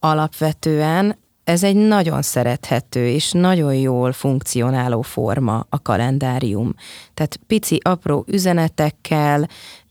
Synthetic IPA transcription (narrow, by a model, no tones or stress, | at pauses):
ɒlɒpʋɛt̪øːɛn | ɛzɛɟnɒɟo̞̰nsɛɾɛt̪hɛt̪øːeːʃnɒɟo̞njoːlfuŋk̚t̪sio̞naːloːfo̞̰rmɒ̰ɒkɒ̰lʔɛnd̪aːɾijṵmt̪aːt̪pit̪siʔɒproːʔyzɛnɛt̪ɛkʰːɛl